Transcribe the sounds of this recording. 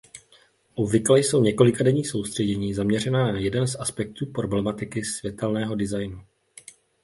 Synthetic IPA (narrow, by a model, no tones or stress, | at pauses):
ʔubvɪklɛjso̞wɲɛko̞lɪkadɛɲiːxso̞wst̪r̥ɛɟɛɲiːzamɲɛr̝ɛnanajɛdɛnzʔaspɛk̚t̪uːpɾo̞blɛmat̪ɪkɪsvjɛt̪ɛlnɛːɦo̞dɪzajnu